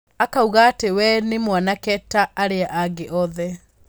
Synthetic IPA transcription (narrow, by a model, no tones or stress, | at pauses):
akauɣaːtewɛnemwanakɛtaʔːɾeaʔaɡeʔɔðɛ